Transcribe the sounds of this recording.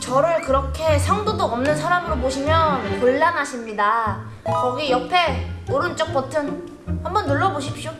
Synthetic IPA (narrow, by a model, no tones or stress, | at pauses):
t͡ɕʌɾɯɭkɯɾʌkʰe̞sʰaŋdodoʌmnɯnsʰaɾamɯɾoboɕʰimjʌnkɯɭːanɦaɕʰimɲida | kʌɡijʌpʰe̞oɾɯnt͡ɕ͈ʌk̚p͈ʌtʰɯn | hambʌnːɯɭːʌboɕʰip̚ɕ͈jo